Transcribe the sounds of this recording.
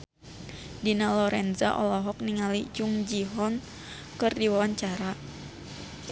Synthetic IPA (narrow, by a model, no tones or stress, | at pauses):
dinalɔɾɛnzaʔɔ̰lɔɦɔk̚niŋalid͡ʒuŋd͡ʒiɦɔn | kɨrdiwawaɲt͡ʃaɾa